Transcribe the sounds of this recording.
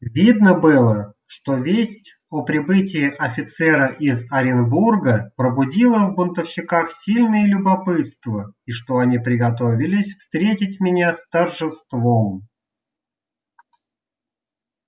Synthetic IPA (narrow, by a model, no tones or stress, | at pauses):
vʲid̪nəbɨlˠə | ʂt̪o̞vʲesʲtʲ | opɾʲɪbɨt̬ʲɪjɪʔɐfʲɪt̪sɛɾəʔɪzɐɾʲɪnburɡəpɾəbʊdʲilˠəvbʊnt̪əfɕɪkaxsʲilʲnɨjəlʲʊbɐpɨt̪st̪vəiʂt̪o̞ɐnʲipɾʲɪɡɐt̪o̞vʲɪlʲɪsʲfst̪ɾʲetʲɪtʲmʲɪnʲast̪ərʐɨst̪vom